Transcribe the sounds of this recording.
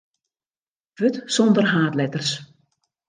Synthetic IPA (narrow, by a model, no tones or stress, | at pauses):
ʋɵtsɔndərɦaːtlɛtərs